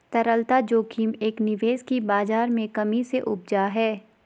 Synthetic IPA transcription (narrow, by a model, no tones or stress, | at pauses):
t̪ɐɾəlt̪ad͡ʒoːkʰiːmeːknɪʋeːzkibaːzaːɾmẽkɐmiseʔʊb̚d͡ʒaɦɛː